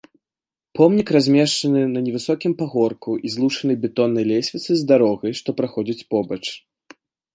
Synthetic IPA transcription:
pɔmnʲikrazʲmʲɛʂt͡ʂɐnɨnɐnʲɛvɨsɔkʲimpaɣɔrkuʔizlˠut͡ʂɐnɨjbʲɛt̪ɔnːɐjlʲesʲvʲit̪sɨzd̪aɾɔɣɐjʂt̪ɔpɾaxɔd͡zʲit͡sʲpɔbɐt͡ʂ

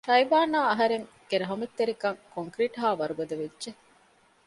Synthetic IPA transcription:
ʈɐjʋaːnaːɐɦɐɾeŋ | ɡ̥eɾɐɦɐmit̪ːeɾikɐŋkoŋkɾiʈɦaːʋɐɾuɡod̪eʋidːʒe

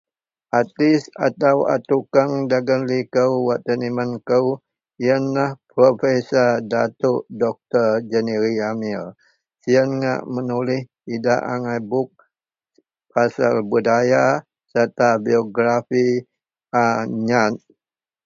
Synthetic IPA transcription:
ʔat̪ɪsa̰t̪awa̰t̪ukaŋdaɡanlikəwwaʔt̪ənimankəw | jənlahpɾofɛsərdat̪ɔʔdɔk̚t̪ərd͡ʒəniɾiamɪl | siənŋa̰ʔmənulɪh | ida̰ʔa̰ŋajbʊk̚ | pasalbudaja | sərt̪abioɡɾafi | aɲat̪̚

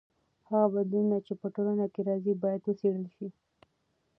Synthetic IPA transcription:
haɣabad̪lunnat͡ʃepəʈolanakeɾɑzibɑjad̪wəseɽəlʃi

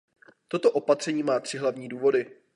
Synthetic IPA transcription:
t̪o̞t̪o̞ʔo̞pat̪r̥ɛɲiːmaːt̪r̝̥ɪɦlavɲiːduːvo̞dɪ

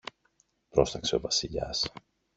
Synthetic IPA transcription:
pɾo̞stθɐkse̞o̞vɐsiʎɐ̰s

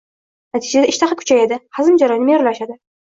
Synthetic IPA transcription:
nat̪ʰid͡ʒad̪aɪʃt̪ʰaχakʲʰʊ̥t͡ʃʰajad̪ɪχazmd͡ʒaɾɒjnɪmjɒɾlaʃad̪ɪ

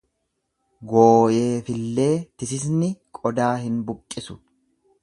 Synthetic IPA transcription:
ɡoːʔe̞ːfɪlːe̞ːt̪ɪs̬ɪs̬nɪkʼɔd̪aːɦɪnbʊkʼːɪsʊ̥

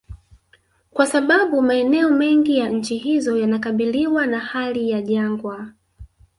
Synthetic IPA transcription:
kwasaɓaɓumaɛnɛɔmɛŋɡijaɲ̩t͡ʃiɦizɔjanakaɓiliwanahalijaʄaŋɡwa

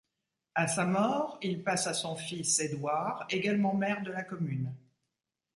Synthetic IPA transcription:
asamɔʁilpasasɔ̃fised̪waʁeɡalmɑ̃mɛʁd̪əlakɔmyn

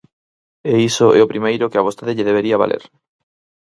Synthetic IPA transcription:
eisoʔɛopɾimejɾʊkɪaβost̪aðeʎɪðeβeɾiaβa̰lʔḛɾ

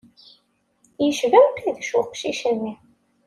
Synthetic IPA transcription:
jəʃvæwqiðʃʊqʃiʃənːi

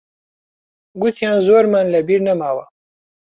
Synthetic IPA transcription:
ɡut̪ʰjãːnzoːɾmanlabiɾnamaːwa

